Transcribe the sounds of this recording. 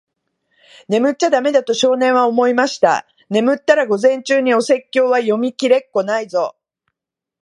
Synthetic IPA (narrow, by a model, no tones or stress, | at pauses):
ne̞mɯ̟t͡ɕːad̪ame̞d̪at̪o̞ɕo̞ːnẽ̞ɰ̃βaomo̞imaɕi̥t̪a̰ | ne̞mɯ̟t̪ːaɾaɡo̞zẽ̞ɲ̟t͡ɕɨːɲ̟io̞se̞kʲːo̞ːβajo̞mʲikʲiɾe̞kːo̞naizo̞